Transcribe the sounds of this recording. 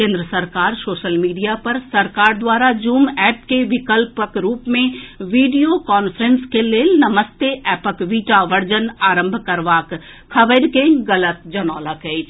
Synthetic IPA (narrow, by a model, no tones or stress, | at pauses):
kẽːnd̪ɾəsɐɾkaːɾsoːʃəlmiːɖijapɐɾsɐɾkaːɾd̪waːɾad͡ʒuːmɛːp̚keʋɪkəlpəkɾuːpmẽʋiːɖijokaːnfʰəɾə̃nskeleːnɐməst̪eʔɛːpəkʋiːʈaʋɐɾd͡ʒənaːɾə̃mbʱkɐɾʋaːk | kʰːɐʋəɾkẽɡɐlət̪d͡ʒɐnɔːləkɦɛ